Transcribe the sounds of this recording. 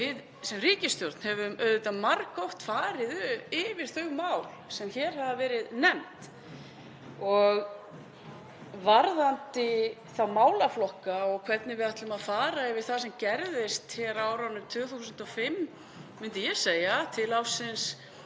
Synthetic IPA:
vɪð | sɛmriːcɪst̪jɔɾt̪n̥hɛvʏmœðʏt̪amaɾkɔwht̪faːɾɪðʏɪːvɪɾ̥θœɣmaːwlsɛmçɛːɾ̥havavɛːɾɪðnɛmt̪ | ɔɣ | vaɾðant̪ɪθawmaːwlaflɔhkaɔɣkʰv̥ɛt̪nɪvɪðaht̪lʏmaðfaːɾaɛvɪɾ̥θaðsɛmcɛɾðɪst̪çɛɾaːwɾanʏmt̪ʰʏːθusʏnt̪ɔfɪm | mʏnt̪ɪjɛseːjat̪ʰɪlawfsɪns

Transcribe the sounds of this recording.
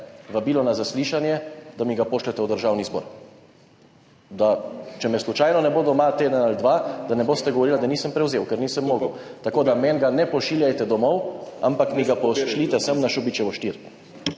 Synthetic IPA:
ʋabilɔnazasliːʃanjɛd̪amiɡapoːʃlɛt̪ɛwd̪əɾʒawnizbo̰ɾ | d̪at͡ʃɛmɛslut͡ʃajnɔnɛbod̪ɔmat̪ed̪ənald̪ʋad̪anɛboːst̪ɛɡoɔʋɔɾiːlad̪aniːsəmpɾɛwzewkɛɾniːsəmːoːɡə̰wt̪akoːd̪amɛnɡanɛpɔʃiːljajt̪ɛd̪ɔmɔwa̰mpakmiɡapɔʃlit̪ɛsəmnaʃubit͡ʃɛʋɔʃt̪iɾ

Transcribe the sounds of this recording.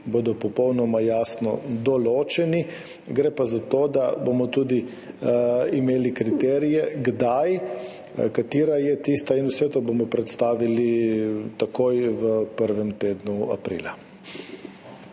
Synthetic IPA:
boːd̪ɔpɔpɔwnɔmajaːsnɔ̰d̪ɔloːt͡ʃɛni | ɡɾɛpazat̪od̪abomɔt̪uːd̪i | imeːlikɾit̪ɛːɾijɛɡd̪aj | kat̪iːɾajɛt̪ist̪ainusɛt̪obomɔpɾɛt̪st̪aːʋilit̪akoːjʋəpəɾʋɛmt̪eːd̪nua̰pɾḭːla̰

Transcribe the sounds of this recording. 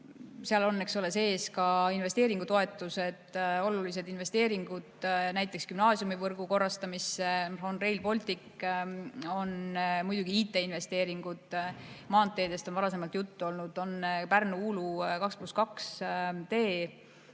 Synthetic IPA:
seɑlo̞nːe̞ksole̞se̞ːskɑinve̞st̪e̞ːɾiŋɡ̥ut̪o̞e̞t̪ːˑuse̞d̪̥o̞lulise̞d̪inve̞st̪e̞ːɾiŋɡ̥ud̪̥næjt̪ːˑe̞kskymnɑːsjumivɤrɡ̥uko̞rːɑst̪ɑmiseonre̞jlpo̞lʲt̪ikː | o̞nmujd̪uɡ̥iiːt̪ːˑe̞inve̞st̪e̞ːɾiŋɡ̥ud̪̥mɑːnt̪ːˑe̞ːd̪̥e̞st̪onvɑɾɑse̞mɑlt̪jut̪ːuo̞lnud̪̥o̞npærnuuːlukɑkspluskɑkst̪e̞ː

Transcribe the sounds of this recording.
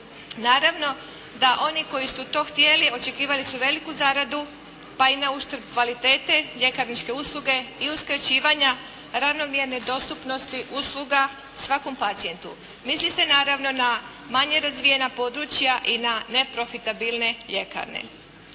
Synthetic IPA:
naːɾaʋno̞ | d̪aʔo̞niko̞jisut̪o̞ːxt̪je̞lio̞t͡ʃe̞kiːʋalisuʋe̞likuzaɾad̪u | painauʃt̪ɾbkʋalit̪e̞ːt̪e̞ʎe̞kaɾnit͡ʃke̞uslˠuɡe̞iuskɾat͡ɕiːʋaɲa | ɾaʋno̞mje̞ɾned̪o̞st̪upno̞st̪iʔuslˠuɡa | sʋako̞mpat̪sije̞nt̪ṵ | mislise̞naːɾaʋno̞na | maɲe̞ɾazʋije̞napo̞ːd̪ɾut͡ʃjaʔinane̞pɾo̞fit̪abilˠne̞ʎe̞ka̰ɾnḛ

